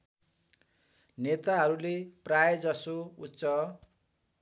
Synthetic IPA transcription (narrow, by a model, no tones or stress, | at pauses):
net̪aɦʌɾuleprajd͡zʌsoutːsʌ